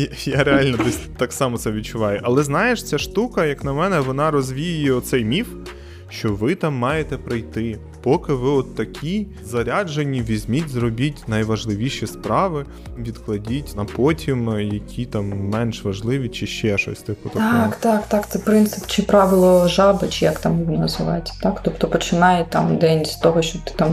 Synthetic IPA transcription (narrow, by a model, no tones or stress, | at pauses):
jaɾeɑlʲnɛd̪ɛsʲt̪ɑksɑmɔt̪sɛʋʲid̪̚t͡ʃʊʋɑjʊʔɐlˠɛznɑjeʃt͡sʲaʃt̪ukɐjɐknɐmɛnɛʋɔnɑɾɔzʲʋʲijʊjɛɔt̪sɛjmʲif | ʃt͡ʃɔʋɪt̪ɑmːɑjet̪ɛpɾɐjt̪ɪ | pɔkɪʋɪɔt̪ːɐkʲʰi | zɐɾʲad͡ʒenʲːiʋʲizʲmʲitʲzrɔbʲitʲnɐjʋɐʒlˠɪʋʲiʃispɾɑʋɪ | ʋʲid̪klˠɐdʲitʲnɐpɔtʲimjɐkʲʰit̪ɑmːɛnʃʋɐʒlˠɪʋʲit͡ʃɪʃt͡ʃɛʃɔ̰sʲt̪ɪkɔt̪ɔkt̪ɑkt̪ɑkt̪sɛpɾɪnt̪sɪpt͡ʃɪpɾɑʋɪlˠɔʒɑbɪt͡ʃɪjakt̪ɑmjʋʲinnɐzʋɪʋɑ̰jɪtʲːɐ̥t̪ɑkt̪ɔpt̪ɔpɔt͡ʃɪnɑjɛt̪ɑ̰md̪ɛnʲsʲt̪ɔɦɔʃt͡ʃɔbt̪ɪ̥t̪ɑm